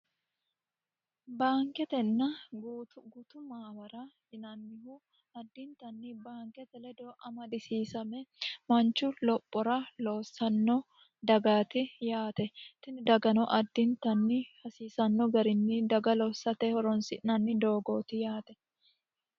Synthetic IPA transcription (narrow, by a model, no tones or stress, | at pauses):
baːŋkɛt̪ɛnːɐɡutɡuːt̪ʊmaːwɐɾahɪnanːɪhu | ɐd̪ːɪnt̪ɐnːibaːŋkɛt̪ɛlɛd̪oːʔɐmɐd̪ɪsiːsɐmɛmɐnt͡ʃːʊlɔpʼːɔɾɐloːsɐnːo | d̪ɐɡaːt̪ɪjaːt̪ɛt̪ɪnɪd̪ɐɡɐnɔʔɐd̪ːɪnt̪ɐnːɪhɐsiːsɐnːɔɡɐɾɪnːɪd̪ɐɡɐlɔːsːɐt̪ɛhɔɾɔnsɪnɐnːɪd̪o̞ːɡo̞ːt̪ɪjaːt̪ɛ̥